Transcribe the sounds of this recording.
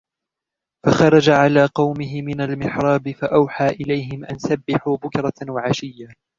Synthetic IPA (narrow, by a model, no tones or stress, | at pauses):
faxɑɾˤɑd͡ʒaʕalaːqɑwmɪɦɪmɪnalmɪħɾˤɑːbɪfaʔawħaːʔɪlajɦɪmʔansabːɪħuːbʊkɾˤɑwaʕaʃɪjːaː